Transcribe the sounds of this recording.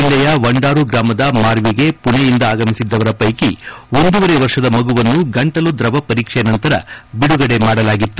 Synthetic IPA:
ilːɐjɐʋɐɳɖaːɾuɡɾaːmɐd̪ɐmaːɾʋiɡe̞puɳejind̪ɐaːɡɐmisid̪ːɐʋɐɾɐpɐjkio̞nd̪uʋɐɾeʋɐɾʂɐd̪ɐmɐɡuʋɐnːuɡɐɳʈɐlud̪ɾɐʋɐpɐɾiːkʂɛnɐnt̪ɐɾɐ̰biɽuɡɐɽe̞maːɽɐlaːɡit̪ːu

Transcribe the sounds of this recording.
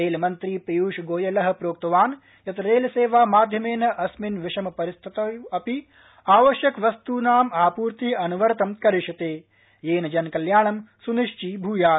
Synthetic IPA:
ɾeːlmɐnt̪ɾipijuːʃɡoːjɐlɐɦɐ̆pɾoːk̚t̪ɐʋaːn | jɐt̪ɐɾeːlɐseːʋaːmaːd̪ʱjɐmeːnɐʔɐsminʋɪʂɐmɐpɐɾist̪ʰit̪ɐɐpi | aːʋɐʃjɐkʋɐst̪uːnaːmaːpuːɾt̪iɐnuʋɐɾt̪ɐmkɐɾiʂɐt̪eː | jeːnɐd͡ʒɐnkɐljaːɳɐmsuniʂt͡ʃibʱuːjaː

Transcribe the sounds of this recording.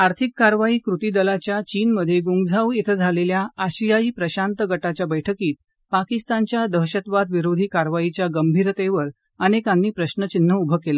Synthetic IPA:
aɾt̪ʰikːaɾʋaiːkɾut̪iːd̪əlat͡ɕjat͡ɕiːnməd̪ʱːjeɡuŋɡd͡zʱawjet̪ʰəd͡zʱaleljaːɕijaiːpɾəɕant̪əɡəʈat͡ɕjabəjʈʰəkiːt̪̚ | pakist̪ant͡ɕjad̪əɦɕət̪ʋad̪ʋiɾod̪ʱiːkaɾʋait͡ɕjaɡəmbʱiɾt̪eʋəɾ | ənekanːiːpɾəɕnət͡ɕin̤ːəubʱəkela

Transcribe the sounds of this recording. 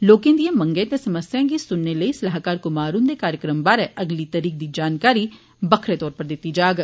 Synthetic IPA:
loːkẽnd̪iẽmə̃ŋɡẽt̪ẽsəməsjãːɡisʊnːeləisɐlaɦkaːɾkʊmaːɾũnd̪ekaːɾjəkɾəmbaːɾɛʔəɡlit̪əɾiːk̚d̪iːd͡ʒaːnkaːɾi | bəkʰɾet̪ɔːɾpəɾd̪ɪt̪ːid͡ʒaːɡ

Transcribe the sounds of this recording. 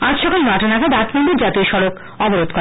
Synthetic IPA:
atʃɔkalmaʈanakad̪at̪pod̪iɾd͡ʑat̪ioɾʃɔɾok | ɔboɾod̪̚kɔ

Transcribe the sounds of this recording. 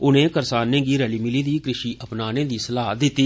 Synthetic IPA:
ʊnẽːkəɾsaːnẽːɡiːɾɛːliːmɪliːd̪iːkɾɪʃiːʔəpnaːnẽːd̪iːsəlaːd̪ɪt̪ːiː

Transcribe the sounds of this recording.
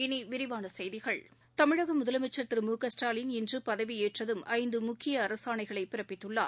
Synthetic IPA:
ɪniʋɪɾɪʋaːnɐsɛjðɪɣɐɭ | t̪ɐmɪɻɐɣɐmʊðɐlɐmɪt͡ʃːɐt̪ːɪɾmuːkɐsʈaːlɪnɪndrɯpɐðɐʋieːʈrɐðɯmɐɪnd̪ɯmʊkːɪjɐːɾɐsaːɳɐɪɣɐɭɐɪpːɪɾɐpːɪt̪ːɯɭːa̰ːɾ

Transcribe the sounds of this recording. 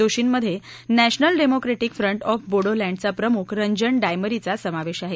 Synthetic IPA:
oɕiːnməd̪ʱːje | næɕnəlɖemokɾeʈikfɾəɳʈɔfboɽolæ̃ɳɖt͡sapɾəmukʰɾəɲd͡ʑəɳɖajməɾit͡sasəmaʋeɕaɦe

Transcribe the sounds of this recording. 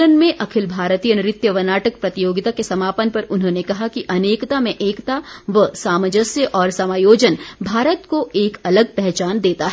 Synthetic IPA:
ənmẽʔɐkʰɪlbʱaːɾt̪ijənɪɾɪt̪jəʋɐnaːʈək̚pɾɐt̪ɪjoːɡɪt̪akesɐmaːpənpɐɾʊnɦõːnekɐɦakiʔɐneːkt̪amẽʔeːkt̪aʋəsaːməd͡ʒəsjəʔɔːɾsɐmaːjoːd͡ʒənbʱaːɾət̪koeːkɐləɡ̚pɛɦt͡ʃaːnd̪eːt̪aɦɛ

